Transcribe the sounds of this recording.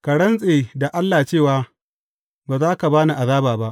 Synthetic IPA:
ka˨ɽɐ˦nsʼeː˨da˨ʔa˦lːaː˨t͡ʃeː˦˨waː˨ | baː˨zaː˦ka˨baː˦na˨ʔa˨ðaː˦baː˨ba˦ʔ

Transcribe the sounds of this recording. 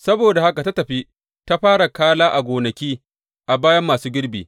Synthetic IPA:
sɐ˦boː˨da˨ha˦ka˨ta˦tɐ˨ɸi˦ | ta˦ɸaː˦ɽa˨kaː˦laː˦ʔa˨ɡʷoː˨nɐ˨kʲiː˦ | ʔa˨baː˦jɐ˦mːaː˨suː˦ɡʲɪ˦ɽbḭː˨

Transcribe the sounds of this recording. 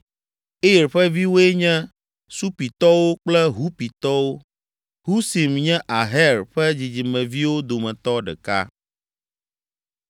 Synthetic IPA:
e˦jɛ˨ɾɸɛ˦vi˦wo˦e˦ɲɛ̃˦ | su˦pi˨t̪ɔ˦wo˦k͡plɛ˦ɦu˦pi˨t̪ɔ˦wo˦ | ɦu˦si˨mɲɛ̃˦ʔa˨ɦɛ˦ɾɸɛ˦d͡ʑi˨d͡ʑi˨mɛ̃˨vi˦wo˦d̪o˨mɛ̃˨t̪ɔ˦ɖɛ̰˨ka̰˦

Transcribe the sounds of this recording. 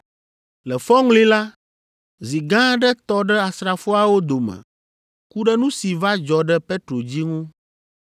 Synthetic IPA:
lɛ˨fɔ˦ŋli˦la˦ | zi˨ɡã˦ɖɛ˦t̪ɔ˦ɖɛ˦a˨sɾa˨fo˦a˦wo˦d̪o˨mɛ̰̃˨ | ku˦ɖɛ˦nũ˦si˨va˦d͡ʒɔ˨ɖɛ˦pe˦t̪ɾo˨d͡ʑi˦ŋũ˦

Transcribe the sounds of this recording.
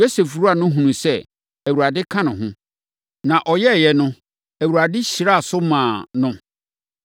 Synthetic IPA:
jo˦se˨fɾu˦a˨nʊ̃˦ɦũ˨nũ˨sɛ˦ | æ˨wu˨ɾa˨dɪ˦kʰã˦nʊ̃˨ɦʊ̃˦ | nã˨ʔɔ˨jɛ˦˨jɛ˦nʊ̃˦ | æ˨wu˨ɾa˨dɪ˦ɕi˨ɾa˦˨sʊ˦mãː˨nʊ̃˦

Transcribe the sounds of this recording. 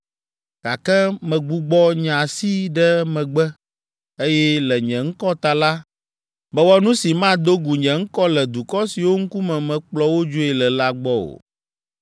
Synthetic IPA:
ka˨kɛ˦mɛ̃˨ɡ͡bu˨ɡ͡bɔ˦ɲã˨si˦ɖɛ˦mɛ̃˨ɡ͡bɛ˦ | e˦jɛ˦lɛ˨ɲɛ̃˨ŋ̩˦kɔ˦t̪a˨la˦ | bɛ˦wɔ˦nũ˦si˨mã˦d̪o˦ɡu˨ɲɛ̃˨ŋ̩˦kɔ˦lɛ˨d̪u˨kɔ˦si˨wo˦ŋ̩˦ku˦mɛ̃˨mɛ̃˨k͡plɔ˦wo˦d͡ʒo˦ɛ˨lɛ˨la˦ɡ͡bɔ˦o̰˨

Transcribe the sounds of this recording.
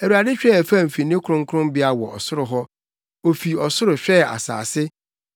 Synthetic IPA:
æ˨u˨a˨dɪ˦ɕᶣɛ˦˨fã˦˨m̩˨fi˨nɪ̃˦kʰʊ̃˦ŋkʰɾʊ̃˦mbɪ˦a˦wɔ˨ɔ̰˨sʊ˦ɾʊ˨ɦɔ˦ | o˨fi˨ɔ˨sʊ˦ɾʊ˨ɕᶣɛ˦˨a̰˨sa̰ː˨sɪ˦

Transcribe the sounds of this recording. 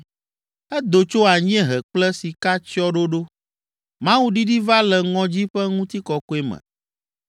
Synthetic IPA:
ɛ˦d̪o˨t͡ʃo˦a˨ɲ˦ɛ̃˦ɦɛ˨k͡plɛ˦si˨ka˦t͡ʃi˦ɔ˦ɖo˦ɖo˦ | mã˦wu˦ɖi˦ɖi˦va˦lɛ˨ŋɔ̃˦d͡ʑi˦ɸɛ˦ŋũ˦t̪i˦kɔ˨ko˦e˦mɛ̰̃˨

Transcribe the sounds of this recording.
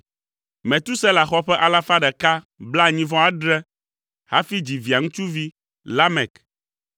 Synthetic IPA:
mɛ̃˨t̪u˦sɛ˦la˨xɔ˦ɸɛ˦ʔa˨la˦fa˦ɖɛ˨ka˦ | bla˦˨ɲĩ˦vɔ̃˦a˦ɖɾɛ˦ | ha̰˦fi˦d͡ʑi˨vi˨a˨ŋũ˦t͡ʃu˦vi˦ | la˦mɛ˨k

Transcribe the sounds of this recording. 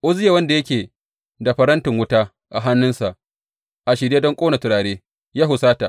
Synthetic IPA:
ʔʊ˦zɪ˦je˨wɐ˦nda˨jɐ˦kʲeː˨ | da˨ɸɐ˦ɾɐ˦ntɪ˨ŋwʊ˦taː˦ | ʔa˨ɦa˦nːʊ˦nsa˨ʔ | ʔa˨ʃɪ˨deː˦dɔ˦ŋkʷʼoː˦na˨tʊ˨ɽaː˨ɽeː˦ | jaː˦ɦʊ˨saː˦ta˨

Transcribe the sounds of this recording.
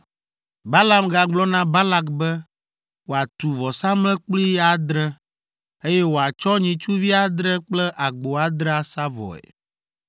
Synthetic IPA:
ba˦la˦mɡa˨ɡ͡blɔ˦nã˦ba˦la˦kbɛ˦ | wo˨a˨t̪u˨vɔ˨sa˦mlɛ̃˦k͡pli˦a˦d̪ɾɛ˦ | e˦jɛ˦wo˨a˨t͡ʃɔ˦ɲĩ˨t͡ʃu˦vi˦a˦d̪ɾɛ˦k͡plɛ˦ʔa˨ɡ͡bo˨a˦d̪ɾɛ˦a˦sa˦vɔ̰˨ɛ̰˨

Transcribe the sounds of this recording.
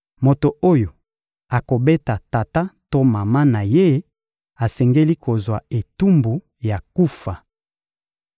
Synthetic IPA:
mo˨to˨o˦jo˨ | a˨ko˨be˦ta˨ta˨ta˦to˦ma˨ma˦na˨je˦ | a˨sɛ˨ŋɡe˦li˦kʰo˨zwa˨e˨tu˦mbu˨ | ja˨ku˦fa˨

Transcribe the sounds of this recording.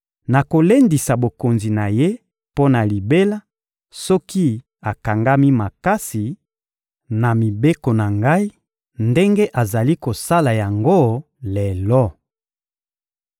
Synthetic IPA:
na˨ko˨le˦ndi˨sa˨bo˨ko˨nzi˨na˨je˦ | po˦na˨li˨be˦la˦ | sɔ˦ki˦ | a˨ka˨ŋɡa˦mi˦ma˨ka˦si˨ | na˨mi˨be˦ko˨na˨ŋɡa˦i˦ | nde˦ŋɡe˦ʔa˨za˨li˦ko˨sa˦la˨ja˨ŋɡo˦ | lɛ˨lɔ˦

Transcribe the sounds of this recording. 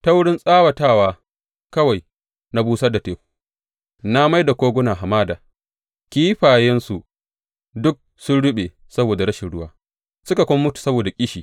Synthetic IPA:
ta˦wɽɪ˦nsʼaː˦wɐ˨taː˦˨waː˦ | kɐ˦wa˨j | na˦buː˦sɐ˦rda˨teː˦kʷu̥˦ | na˦ma˦jda˨kʷoː˦ɡʷʊ˦naː˨ɦa˨maː˦daː˨ | kʲiː˦ɸaː˨jɛ˦nsu˨ | dʊ˦k̚ | sʊ˦nɽʊ˦ɓe˨ | sɐ˦boː˨da˨ɽɐ˦ʃɪ˨nɽʊ˦waː˦ | sʊ˦ka˨kʷɔ˦mː˦ʊ˦tu̥˨sɐ˦boː˨da˨kʲʼɪ˦ʃiː˨

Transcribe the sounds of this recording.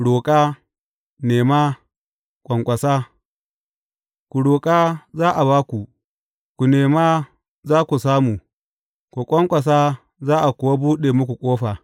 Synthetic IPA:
ɽoː˨kʼaː˦ | neː˨ma˦ | kʷʼɐ˨ŋkʷʼɐ˨saː˦ | kʷu˨ɽoː˨kʼaː˦zaː˦ʔa˨baː˦kʷu˨ | kʷu˨neː˨ma˦ | zaː˦kʷu˨saː˦muː˨ | kʷu˨kʷʼɔ˦ŋkʷʼɐ˨s̬aː˦ | zaː˦ʔa˨kʷʊ˨wa˦buː˦ɗeː˨mʊ˦kʷu˨kʷʼoː˦ɸa˨

